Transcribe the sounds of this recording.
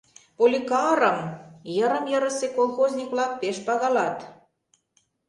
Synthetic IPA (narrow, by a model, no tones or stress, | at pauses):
polʲikɑɾəmjəɾə̆mjəɾə̆sekolˠxozʲnʲikβlɑk̚peʃpɑɣɑlɑt̪